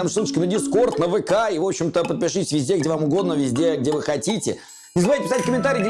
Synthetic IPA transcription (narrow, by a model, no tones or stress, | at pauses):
msˠut̪əʃkʲənədʲɪsko̞rt̪nəvɨkaivo̞pɕːɪmt̪əpət̪̚pʲɪʂɨtʲɪ̥sʲvʲɪzʲdʲeɡdʲevamʊɡo̞d̪nəvʲɪzʲdʲeɡ̚dʲevɨxɐtʲitʲɪ̰ | nʲɪzvajtʲɪpʲɪsatʲkəmʲɪnt̪aɾʲiːɡdʲɪ